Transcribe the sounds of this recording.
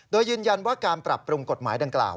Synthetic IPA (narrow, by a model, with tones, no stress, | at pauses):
doː˧jːɯː˧nja˧nwaː˥˩kaː˧npɾa˨˩pːɾu˧ŋko˨˩t̪̚maː˩˦jda˧ŋkla̰ː˨˩w